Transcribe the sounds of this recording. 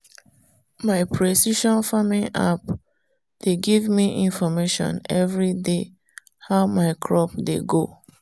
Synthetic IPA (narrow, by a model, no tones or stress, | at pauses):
maɪpʰɹesiʃɔ̃nfamĩa̰p | d̥eɡivmiʔĩnfɔmeʃɔ̰̃nɛvɹide | haʊmaɪkʰɹɔpdeɡo